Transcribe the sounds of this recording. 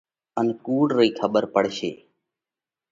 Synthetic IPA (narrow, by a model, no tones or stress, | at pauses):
ənkuːɽɾəiːkʰəɓəɾpəɽʃḛː